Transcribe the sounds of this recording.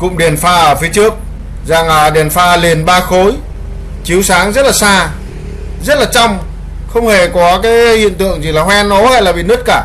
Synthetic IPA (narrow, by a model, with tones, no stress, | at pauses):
kʊ̰˧˨ŋ͡mɗi˨˩ənfaː˧ʔəː˧˩fi˨˦t͡ɕɨ˦˥ək̚ | za˨˩ŋʔəː˨˩ɗe˨˩ənfaː˧li˨˩ənɓaː˧xo˨˦j | t͡ɕi˨˦əwsaː˨˦ŋzə˦˥t̚laː˨˩saː˧ | zə˦˥t̚laː˨˩t͡ɕa˧wŋ͡m | xə˧wŋ͡mhe˨˩kɔ˨˦kaː˨˦jhḭ˧˨ənt̪ɨ̰˧˨əŋzi˨˩laː˨˩hwɛ˧nːɔ˨˦ha˧jlaː˨˩ɓḭ˧˨nə˦˥t̚kaː˧˩